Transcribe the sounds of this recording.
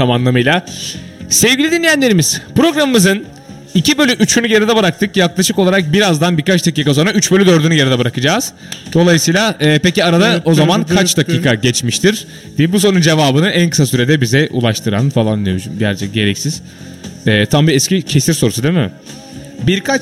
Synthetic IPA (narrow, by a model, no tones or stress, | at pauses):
t̪ʰamanlˠamɯjlˠa | sɛvɡɟilʲid̪inʲːijænʲeɾimiz̥pɾo̞ɡɾamɯmɯzɯn | icʰibølʲyʔyt͡ʃʰynyɟeɾid̪ɛbɯɾak̚t̪ʰɯkjaklˠaʃɯko̞lˠaɾak̚biɾazd̪anbiɾkat͡ʃd̪aciːkaso̞nɾayt͡ʃbølʲyd̪ø̞ɾd̪ynyɟeɾid̪ɛbɯɾakɯd͡ʒaːz̥ | d̪o̞lˠajɯsɯjlˠaɛːpeciaɾad̪ao̞zamankʰat͡ʃd̪acʰiːkʰaɟɛt͡ʃmiʃt̪ʰiɾ̥ | d̪̥iibus̬o̞nund͡ʒe̞vaːbɯnɯʔænkʰɯ̥sasyɾe̞d̪ɛbizɛʔṵlˠaʃt̪ʰɯɾa̰nfalˠaniʃumɟæɾt͡ʃʰɛɟe̞ɾɛcsiz̥ | ɛːt̪ʰambiɛscicʰesiɾsoɾusud̪emɪ | biɾkʰat͡ʃ